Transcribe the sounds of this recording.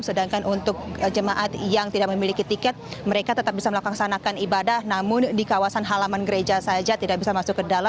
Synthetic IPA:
sədaŋkanʔunt̪ʊk̚d͡ʒəmaʔat̪jaŋt̪idak̚məmilikit̪ikɛt̪̚məɾekat̪ət̪ap̚bisaməlakuaksanakanibadahnamʊndikawasanɦalamanɡəɾed͡ʒasad͡ʒat̪idak̚bisamasʊkkːədala

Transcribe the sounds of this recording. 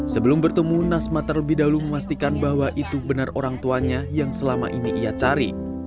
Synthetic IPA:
səbəlʊmbərt̪əmunasmat̪ərləbihdauluməmast̪ikanbaɦwaʔit̪ubənaroɾaŋt̪uaɲajaŋsəlama̰ʔiniʔijat͡ʃaɾi

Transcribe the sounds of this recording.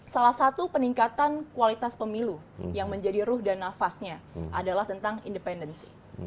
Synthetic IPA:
salahsat̪upəniŋkat̪ankualit̪aspəmilujaŋməɲd͡ʒadiɾʊhdanːafasɲaʔadalaht̪ənt̪aŋḭndəpɛndənsi̥̰

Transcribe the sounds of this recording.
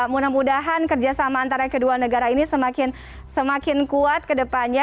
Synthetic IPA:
munamudaɦankərd͡ʒasamaːnt̪aɾakədualnəɡaɾainisəmakɪn | səmakɪnkuat̪̚kədəpanɲa

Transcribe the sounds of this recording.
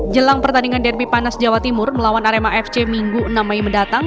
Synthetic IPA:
d͡ʒəlaŋpərt̪andiŋandɛrbipanasd͡ʒawat̪imʊrməlawanaɾemaɛft͡ʃemiŋɡuənamaiməndat̪aŋ

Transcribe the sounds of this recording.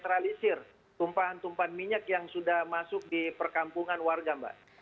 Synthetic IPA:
t̪ɾalisɪr | t̪umpaɦant̪umpaanmiɲakjaŋsudahmasʊk̚dipərkampuŋanwarɡamba̰ʔ

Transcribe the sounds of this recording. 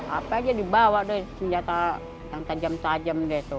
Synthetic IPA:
apad͡ʒadibawadɛsəɲd͡ʒat̪a | jaŋt̪ad͡ʒamt̪ad͡ʒamdɛt̪u

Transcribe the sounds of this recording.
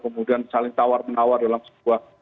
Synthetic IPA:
kəmudiansalɪŋt̪awarmənawardalamsə̥buah

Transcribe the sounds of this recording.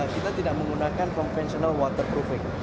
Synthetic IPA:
kit̪at̪idaʔməŋɡunakankɔnfɛnsionalwɔt̪ərpɾofɪŋ̚

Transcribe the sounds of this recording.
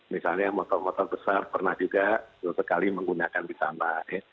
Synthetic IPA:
misalɲamɔt̪ɔrmɔt̪ɔrbəsarpərnahd͡ʒuɡasosəkaliməŋɡunakandisanaɛh

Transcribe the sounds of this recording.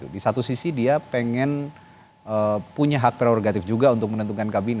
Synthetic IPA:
ṵdisat̪usisidiapeŋɛn | əpuɲaɦak̚p̪ɾeɔɾɡat̪ɪfd͡ʒuɡaunt̪ʊk̚mənənt̪̬ukankabinɛ

